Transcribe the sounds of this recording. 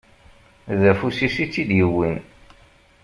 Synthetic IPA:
ðæfusisit͡sːid̪jəwːin

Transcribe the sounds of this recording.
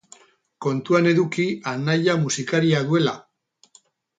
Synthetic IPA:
ko̞nt̪uane̞ðukianaʎamusikaɾiaðue̞la̰

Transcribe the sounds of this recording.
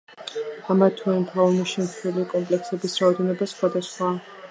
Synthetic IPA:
amat̪ʰuint̪ʰaɔniʃimsɛlikʼɔmpʼlɛksɛbisɾaɔd̪ɛnɔbasχwad̪asχwa

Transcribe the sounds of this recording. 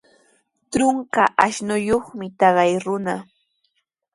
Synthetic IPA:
t̪ɾʊŋkaʔaʃnʊjoχmɪt̪ɑɢɑjɾʊna

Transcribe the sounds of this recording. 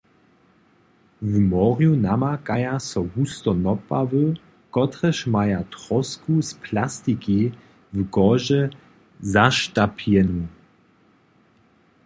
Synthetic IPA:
vmɔʁjunamakajasɔɡust̪ɔnɔpavə | kɔtʁɛʃmajatʁɔskuspʰlastiki | vɡɔʒɛ | zaʃtapʰjɛnu

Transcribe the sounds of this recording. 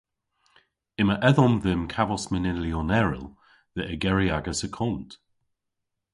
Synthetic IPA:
ɪməʔɛðɔmðɪmkʰavɔsmɪnɪnliɔnɛɹɪ̰lˠ | ðəʔəɡɛɹiaɡəsəkʰɔnt

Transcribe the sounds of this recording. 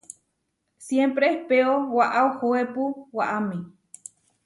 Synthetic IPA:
sjempɾeehpeowaʔaohoepuwaʔami

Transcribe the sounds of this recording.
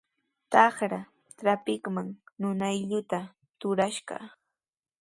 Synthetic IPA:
t̪ɑχɾa | tɾapɪkmaŋnʊnajʎʊt̪a | t̪ʊɾaʃɢɑ̰

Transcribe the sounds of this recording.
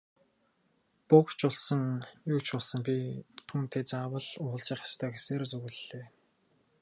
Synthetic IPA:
pʊkt͡ɕʊɮsə̆ŋjukt͡ɕʊɮsə̆ŋpʲit̪ʰuːn̥t̪ʰeːt͡saːwə̆ɮʊːɮt͡ɕɪχjḁst̪ʰœːxeseːɾt͡suɣɘ̆ɮːeː

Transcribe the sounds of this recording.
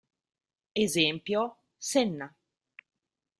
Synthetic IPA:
ezɛmpjo | sɛnːa

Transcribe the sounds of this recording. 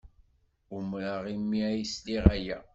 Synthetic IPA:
ʊmɾaʁimːiæjsliʁæjæ

